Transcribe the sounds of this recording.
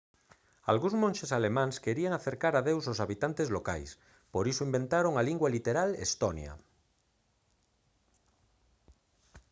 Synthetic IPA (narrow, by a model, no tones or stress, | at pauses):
a̰lɣũzmõnʲʃesalemãŋskeɾiaŋaθeɾkaɾaðewsosaβit̪ant̪ezloka̰js | poɾisoimbe̞nt̪aɾoŋaliŋɡwalit̪eɾalḛst̪onja̰